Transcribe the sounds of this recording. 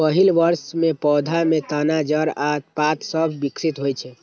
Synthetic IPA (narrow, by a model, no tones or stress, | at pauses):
pəɦilʋəɾsmepɔːd̪ʱamet̪anad͡ʒəɾat̪pat̪səbʱbiksit̪ɦojt͡ʃʰɛ